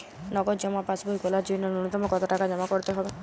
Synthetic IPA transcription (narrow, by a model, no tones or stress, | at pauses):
nɔɡɔd͡ʒɔmapasbʱɔikolad͡ʒinɔnuɽut̪ɔmɔkɔt̪ɔʈakad͡ʒɔmakɔɾt̪eɦɔbe